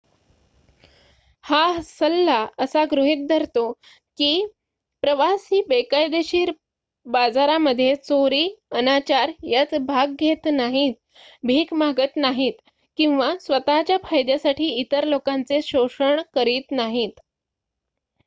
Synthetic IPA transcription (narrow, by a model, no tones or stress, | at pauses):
hasəlːaəsaɡɾuɦit̪̚d̪ʱəɾt̪o | kiː | pɾəʋasiːbekajd̪eɕiːɾ | bad͡zaɾaməd̪ʱːjet͡soɾiːənat͡ɕaɾjat͡sbʱaɡɡʱet̪naɦit̪̚ | bʱiːkmaɡət̪naɦiːt̪ | kĩw̃ʋasʋət̪at͡ɕjafʰajd̪jasaʈʰiːit̪əɾlokant͡seɕoʂəɳkəɾiːt̪naɦiːt̪